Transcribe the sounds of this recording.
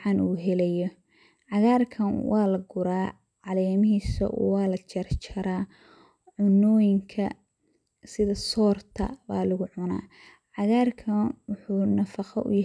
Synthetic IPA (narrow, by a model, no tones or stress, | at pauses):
ʕɑnuːɦɛlɛjɔ | ʕɑɣaːrkʰɐnwʔɑːlɐɡʊɾaː | ʕɑlɛːmɪɦiːsɐ̰ʔɔ̰wɑːlɐt͡ʃʰɐrt͡ʃɐɾaː | ʕʊnɔːjɪŋkʰɐ | sɪðɐsɔːrt̪ʰɐ̰ba̰ːlʊɣʊʕʊna̰ː | ʕɑɣaːrkʰɐnwʊħuːnɐfɑqɔʔʊ̰jɐ